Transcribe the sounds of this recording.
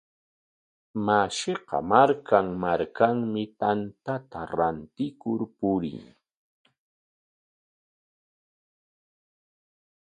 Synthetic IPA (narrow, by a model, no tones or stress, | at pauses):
maʃɪqɑ̰maɾkaŋmaɾkaŋmɪt̪ant̪at̪aɾant̪ɪkʊɾpʊɾɪ̰ŋ